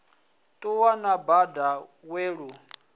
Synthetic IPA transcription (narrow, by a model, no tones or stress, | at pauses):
tʼuwanabada | weːɺu